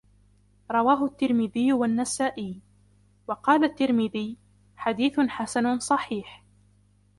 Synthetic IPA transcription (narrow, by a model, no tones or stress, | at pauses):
ɾˤɑwaːɦʊʔat̪ːɪɾmɪðɪjːʊwanːasaːʔɪː | wɑqɑːlat̪ːɪɾmɪðɪj | ħad̪iːθħasanʊsˤɑħiːħ